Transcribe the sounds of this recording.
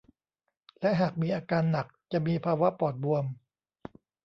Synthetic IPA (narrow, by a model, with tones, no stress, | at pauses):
lɛ˦˥ʔɦaː˨˩k̚miː˧ʔaː˧kaː˧nːa˨˩k̚t͡ɕa˨˩ʔmiː˧pʰaː˧wa˦˥pɔː˨˩t̪̚bu˧əm